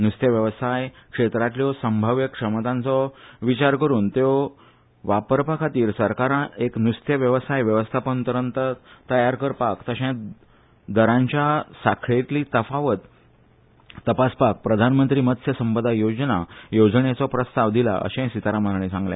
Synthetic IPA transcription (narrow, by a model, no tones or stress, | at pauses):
nust̪ʰjəʋjəʋsajkʂet̪ɾat̪ljɔsəmbʱəʋjəkʂəmt̪ãnt͡sɔʋit͡ɕaɾkəɾuːnt̪jɔ | ʋapəɾpakʰat̪iːɾsəɾkaɾãeknust̪ʰjəʋjəʋəsajʋjəʋəst̪ʰapənt̪əɾə̃nt̪ət̪əjaɾkəɾpakt̪əɕɛ̃ | d̪əɾãɲt͡ɕjasakʰɭet̪liːt̪əfaʋət̪ | əpaspak̚pɾəd̪ʱanmənt̪ɾiːmət̪səsəmpəd̪ʱajod͡znajod͡zɳet͡sɔpɾəst̪aʋd̪ila̰ʔə̰ɕẽsit̪aɾamənɳ̃ẽsãŋɡlḛ̃